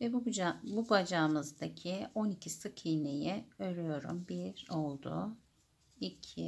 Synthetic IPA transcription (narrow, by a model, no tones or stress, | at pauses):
vɛbabubad͡ʒamɯzd̪acʰio̞nicʰisɯkʰinejiøɾyjo̞ɾṵmbiɾo̞lˠd̪ṵ | ilcʰi